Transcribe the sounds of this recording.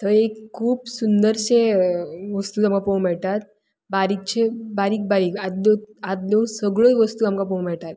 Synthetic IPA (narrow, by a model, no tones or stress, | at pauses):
t̪əɾekʰːuːpsund̪əɾt͡ɕeʋəst̪uːt̪amkapowmɛɭʈ̪at̪̚ | baɾiːk̚t͡ɕebaɾiːk̚baɾiːkat̪loat̪lõsəɡɭojʋəst̪uːamkapõw̃mɛɭʈat̪